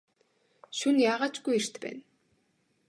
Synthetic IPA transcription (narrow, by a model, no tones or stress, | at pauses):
ʃunjaːʁaːt͡ɕɡujer̥t̪pæ̰ːn